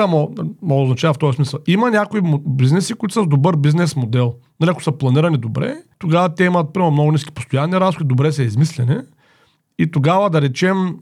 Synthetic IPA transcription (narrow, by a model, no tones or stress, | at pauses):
ɐmomoɡoːznɐt͡ʃavɐft̪ɔjɐsmisɐlˠimɐnʲakoimbiznɛsikoʊit̪u̥səzd̪obɤɾbiznɛsmod̪ɛlˠnɐliɐkʊ̥sɐplˠɐniɾɐnid̪obɾɛ̰t̪oɡavɐt̪ɛimɐt̪̚pɾimomnɔɡʊniskʲi̥po̥st̪ojanːiɾazlʲkʲid̪obɾɛsɐizmislɛni | it̪oɡavɐd̪ɐɾɛt͡ʃɛm